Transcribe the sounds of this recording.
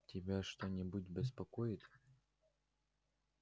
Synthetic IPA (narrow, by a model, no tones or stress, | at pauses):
tʲɪbʲaʂt̪onʲɪbutʲbʲɪspɐkojɪt̪ʲ